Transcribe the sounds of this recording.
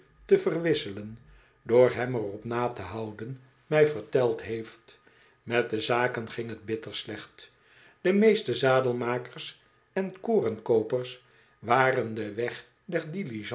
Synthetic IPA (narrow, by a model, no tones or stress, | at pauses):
təvərʋɪsələn | doːɹɦɛmərɔpnaːtəɦɑwdən | mɛjvəɹtɛlˠtɦejft | mɛt̚dəzaːkənχɪŋɦəd̚bɪtəɹslɛχt | d̥əmejstəzaːdəlˠmaːkərs | ɛnkoːrənkowpəɹs | ʋaːrəndəʋɛχ | dɛɹdiliʒ